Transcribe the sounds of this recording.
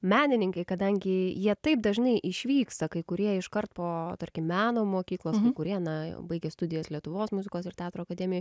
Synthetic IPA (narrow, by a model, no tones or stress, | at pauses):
mʲæːnʲɪnʲɪŋkɐɪkɐd̪ɐŋʲɡʲɪjiɛt̪ɐɪp̚d̪ɐʒnɐɪʔɪʃʲʋʲiːkst̪ɐkɐɪkʊɾʲiɛɪʃkɐrt̪̚poːt̪ɐrʲkʲɪmmʲːæːnoːmoːkʲiːklˠoːskɐɪkʊɾʲiɛnɐbɐɪɡʲɛst̪ʊd̪ʲɪjɛslʲiɛt̪ʊʋoːsmʊzʲɪkoːsɪrt̪ʲæːt̪ɾoːɐkɐd̪ʲɛːmʲɪjʊj